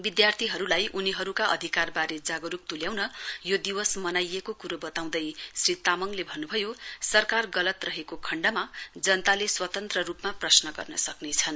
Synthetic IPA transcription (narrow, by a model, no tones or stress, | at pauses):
bid̪jart̪ʰiɦʌɾulajʔuniɦʌɾukaʔʌ̰d̪ʱikarbaɾed͡zaɡʌɾuk̚t̪uljaw̃nʌjod̪iwʌsmʌnajekokuɾobʌt̪aw̃d̪ʌjsrit̪amʌŋlebʱʌnːubʱʌjosʌrkarɡʌlʌt̪rʌɦekokʰʌɳɖʌmad͡zʌnt̪aleswʌt̪ʌnt̪rʌrupmaprʌsnʌɡʌ̰rnʌsʌknet͡sʰʌn